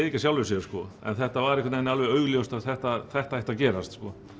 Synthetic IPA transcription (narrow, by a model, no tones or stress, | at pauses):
icːḁsjawlvɪsɛskɔɛ̰nθɛht̪avaɾɪhkʰːat̪nejnɪalvɛœːɥljowst̪aðθɛht̪aθɛht̪ahaht̪acɛːɾast̪skɔ